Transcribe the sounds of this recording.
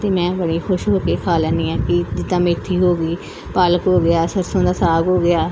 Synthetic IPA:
t̪eːmɛ̃ːbəɽiːxʊʃɦoːkeːkʰaːlaːniːɛ̃ːkɪd͡ʒɪd̪ãːmẽːt̪ʰːiːɦoːɡiː | paːləkɦoːɡɪaːsəɾsõːd̪aːsaːɡɦoːɡɪaː

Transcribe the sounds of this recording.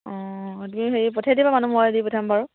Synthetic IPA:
ɔ̃tumixeɹipɔtʰadibamanumɔajdipɔtʰambaɹu

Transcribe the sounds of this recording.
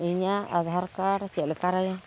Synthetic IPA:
iɲaad̪aɦaɾkaɾat͡ʃelikaɾaja

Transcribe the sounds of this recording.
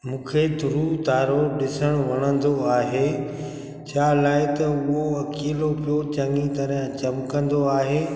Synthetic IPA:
mũːkʰed̪ʱʊɾut̪aːɾoɗɪsəɽ̃ʋɐɽ̃ə̃nd̪oaːɦeː | t͡ɕʰaːlaːɪt̪ɐʊɦoɐkiːlopijot͡ɕɐ̃ŋit̪ɐɾɦt͡ɕɐmkɐ̃nd̪oaːɦeː

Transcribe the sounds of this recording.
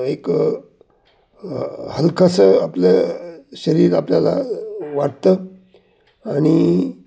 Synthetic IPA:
ek | həlkʰasəapleɕəɾiːɾapljala̰ʋaʈt̪ə | aɽ̃i

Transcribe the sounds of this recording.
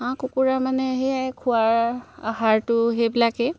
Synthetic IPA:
ãkukuɹamanɛɦeajkʰuaɹahaɹtʊɦebilakɛ

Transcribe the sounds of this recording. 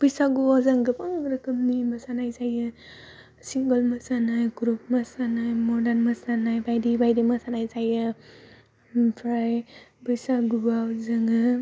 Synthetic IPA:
b̥ɯjsaɡubazaŋɡɯpaŋɾɐkəmnimasanajsaja | siŋɡəlmasanajɡɾup̚masanajmɔdanmasanajbajdibajdimasanajsaja | pʰɾajbɯjsaɡubawzaŋɡɯ

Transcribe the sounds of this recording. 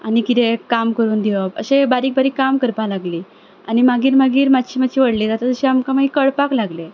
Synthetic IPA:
anikit̪ekamkəɾuːnd̪iʋabə̰ɕebaɾiːk̚baɾiːkamkəɾpalaɡliː | animaɡiːɾmaɡiːɾmat̪ɕiːmat͡ɕʰiːʋəɽlit̪at̪ad͡zəɕiamkamaɡikəɽpaklaɡle

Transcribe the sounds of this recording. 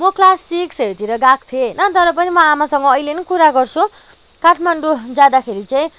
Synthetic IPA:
mʌklasikset̪iɾʌɡak̚t̪ʰenʌt̪ʌɾʌp̬ʌnimʌamasʌŋɡʌːjlenʌkuɾaɡʌrt͡sʰũ | kaʈʰmaɳɖud͡zad̪akʰeɾit͡saĩ

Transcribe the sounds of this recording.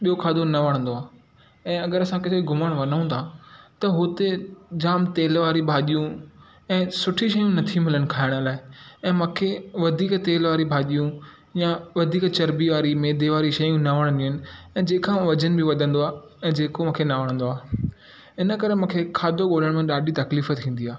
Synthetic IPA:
ɓijokʰaːd̪onɐʋɐɽ̃nd̪oaː | ɛ̃ːɐɡəɾɐsãkɪsʰoiɡʱʊməɽ̃ʋɐnəũːnt̪ʰaːt̪ɐɦʊt̪ed͡ʑaːmt̪eːlʋaːɾibʱaːʄijũ | ɛ̃ːsʊʈʰiʃɐjũnɐt̪ʰimɪləɽ̃ɪ̆kʰaːɪɽ̃ə̆laːɪɛ̃ːmũːkʰeʋɐd̪ʱiːkt̪eːlʋaːɾibʱaːʄijũ | jaʋɐd̪ʱiːkt͡ɕɐɾbiʋaːɾimeːd̪ʱeʋaːɾiʃɐjũnɐʋɐɽ̃iɦənɪ̆ɛ̃ːd͡ʑeːkãmãʋɐd͡ʑənbʱɪʋɐd̪ʱə̃nd̪oaː | ɛ̃ːd͡ʑeːkomũːkʰenɐʋɐɽ̃ə̃nd̪oaː | ɪnə̆kɐɾemũːkʰekʰaːd̪ʱoɠoːləɽ̃mẽɗaːɗit̪ɐkliːfət̪ʰĩːn̆d̪iaː

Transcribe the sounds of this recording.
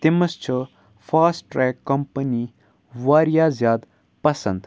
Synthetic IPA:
t̪imɐst͡ʃʰə | fʰaːsʈɾɛːkːɐmpəni | ʋaːɾijaːzjaːd̪ | pɐsɐnd̪

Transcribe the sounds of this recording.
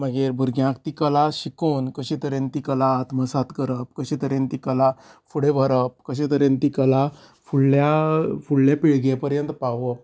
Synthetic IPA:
məɡeɾbʱuɾɡjãkt̪ikəlaɕikoːnkəɕẽt̪əɾẽnt̪ikəlat̪məsat̪kəɾəp̚kəɕẽt̪əɾent̪ikəlafuɽebʱəɾəp̚kəɕ̬et̪əɾẽnt̪ikəla | fuɭːjafuɭːjapiɭɡepəɾjənt̪paʋə

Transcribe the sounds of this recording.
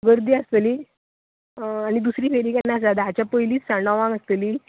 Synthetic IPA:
ɡəɾd̪iːast̪eliː | añid̪usɾiːfʰeɾikanːasad̪aɦat͡ɕjapəjliːt͡ssãɳaʋãŋəst̪eliː

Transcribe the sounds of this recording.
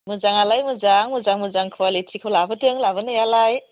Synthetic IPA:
muzaŋalajmuzaŋmuzaŋmuzaŋkʰualitʰikʰawlabɐtɯŋlabɯnɯjalaj

